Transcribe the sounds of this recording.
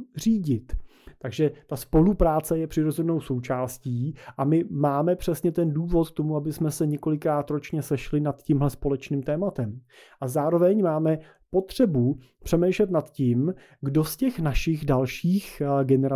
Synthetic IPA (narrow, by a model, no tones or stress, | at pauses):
riːɟɪt̪t̪aɡʒɛt̪aspo̞lupɾaːt͡sɛjɛpr̥ɪɾo̞zɛnno̞wso̞wt͡ʃaːsciːʔamɪmaːmɛpr̝̥ɛsɲɛt̪ɛnduːvo̞t̪̚kt̪o̞muabɪsmɛsɛɲɛko̞lɪkɾaːt̪ɾo̞t͡ʃɲɛsɛʃlɪnat̪ciːmɦlɛspo̞lɛt͡ʃniːmt̪ɛːmat̪ɛmʔazaːɾo̞vɛɲmaːmɛ | po̞t̪r̝̥ɛbu | pr̝̥ɛmɛjʃlɛt̪nat̪cim | ɡdo̞scɛxnaʃɪxdalʃiːxɡɛnɛɾa